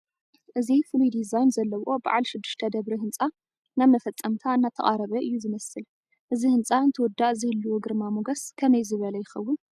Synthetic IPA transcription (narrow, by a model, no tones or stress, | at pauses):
ʔɨzifulujd̪izajnzɐlːɐwo̞ba̰ʕalʃɪd̪ːɨ̥ʃt̪ʰɐd̪ɐβɾiɦɨnt͡sʼa | namɐfɐt͡sʼːɐmt̪ʰaɨnːat̪ʰɐʔʼaɾɐβɐʔɨjːuzɨmɐsɨl | ʔɨzihɨnt͡sʼaɨnt̪ʰɨwɔd̪ːaʔzɨhɨlːuwuɡɨɾmamuɡɐskʰɐmɐjzɨβɐlɐjɪxɐwːʊn